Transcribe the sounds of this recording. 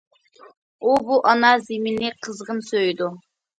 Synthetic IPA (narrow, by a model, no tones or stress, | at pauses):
ubuʔɑnɑzemɪnɪqʰəzʁənsøjd̪u